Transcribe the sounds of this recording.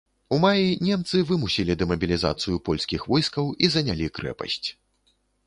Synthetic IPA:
umajinʲɛmt̪sɨvɨmusʲilʲid̪ɛmɐbʲilʲiza̰t̪sɨjupɔlʲskʲixvɔjskɐwizɐnʲalʲikɾɛ̰pɐ̰sʲt͡sʲ

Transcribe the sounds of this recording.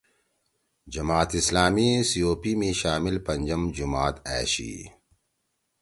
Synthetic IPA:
d͡ʒɐmaːt̪ɪslaːmisijoːpimẽʃaːmɪlpɐ̃ɲd͡ʑɐmd͡ʑʊmaːt̪ɛ̰ːʃḭː

